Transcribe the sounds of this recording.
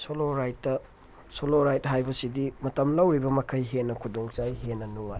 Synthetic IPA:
soloɾajtːɐ | soloɾajt̚ɦajbɐsidimɐtɐmlɐwɾibɐmɐkʰɐjɦenːɐkʰudoŋt͡ʃajɦenːɐnuŋaj

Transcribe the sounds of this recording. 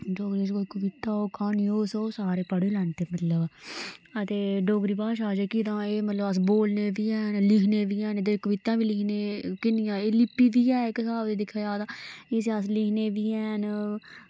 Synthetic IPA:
ɖoːɡɾiːd͡ʒkoikəʋɪt̪aːoːkʰaːniːoːsoːsaːɾeːpəɽeːlɛːɳt̪eːmət̪ləb | ət̪eːɖɔːɡɾiːbaːʃaːd͡ʒekit̪ãːeːmət̪ləbəs̬boːlneːʋiːɛːnlɪkʰneːʋiːɛːnd̪ekəʋɪt̪ãːʋiːlɪkʰneːkɪnɪjãːeːlɪpːiːʋiːɛːekəsaːbd̪eːd̪ɪkʰːaːjaːd̪aːeːs̬eəs̬lɪkʰneːʋiːɛːn

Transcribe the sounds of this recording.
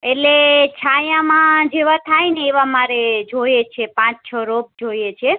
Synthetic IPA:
eʈlet͡ʃʰajãmãd͡ʒeʋat̪ʰajneːʋamaɾed͡ʒojet͡ʃʰepãt͡ʃt͡ʃʰɔɾob̚d͡ʒojet͡ʃʰe

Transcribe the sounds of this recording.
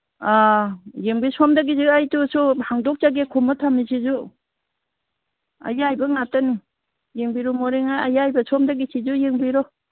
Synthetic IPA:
ajeŋbisɔmdaɡizɯajtusuhaŋdɔk̚t͡ʃaɡekʰɔmatʰamisʰizu | a̰jajbɐŋatani | jeŋbiɾɔmɔɾeŋajajajbɐsɔmdaɡisʰizujeŋbiɾɔ

